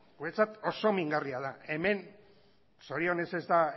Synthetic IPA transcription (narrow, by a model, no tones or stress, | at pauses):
ɡuet͡sat̪o̞so̞miŋɡariað̞ae̞me̞n | soɾio̞ne̞se̞zd̪a